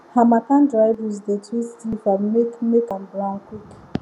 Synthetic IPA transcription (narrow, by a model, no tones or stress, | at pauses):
hamakãndɹaɪvəzdetʰistifamekmekãnbɹãŋkwik